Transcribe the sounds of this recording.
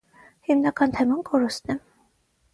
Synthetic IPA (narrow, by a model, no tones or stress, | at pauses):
himnɑkɑnt̪ʰɛmɑnkɔɾust̪nɛ